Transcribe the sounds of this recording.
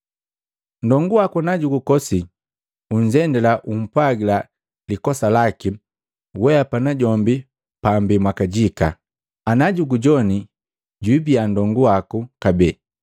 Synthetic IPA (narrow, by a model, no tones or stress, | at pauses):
n̩dɔŋɡuwakunaɟuɡukɔsi | uɲ̩d͡ʒɛndɛlaʔum̩pwaɡila | likɔsalaki | wɛapanaɟɔmbi | pambimwakaɟika̰ | anaɟuɡuɟɔni | ɟwibiandɔŋɡuwakukabɛ